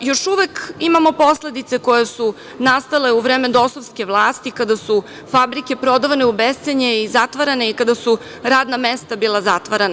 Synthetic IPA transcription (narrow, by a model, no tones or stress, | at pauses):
jo̞ʃuʋe̞kimamo̞po̞sle̞d̪it̪se̞ko̞jesu | nast̪ale̞uʋɾeːmed̪o̞sovskʲe̞ʋlˠaːst̪ikad̪asu | fabɾike̞pɾo̞d̪aʋane̞ubest̪seɲeizat̪ʋaɾane̞ikad̪asu | ɾaːd̪namest̪abiːlˠazat̪ʋaɾena